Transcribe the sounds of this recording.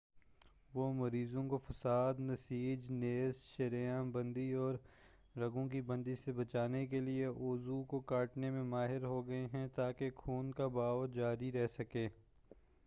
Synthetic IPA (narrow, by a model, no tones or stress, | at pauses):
ʋoːmɐɾiːzõkofɐsaːd̪nɐsiːd͡ʒneːsʃɐɾijãːbɐ̃nd̪iɔːɾː | ɐɡõk̬ibɐ̃nd̪isebɐt͡ʃaːnek̬elieʔoːzukokaːʈnemẽmaːɦɪɾɦoɡɐeɦɛ̃t̪aːkekʰuːnkabaːʋd͡ʒaːɾiɾɛɦsɐkeː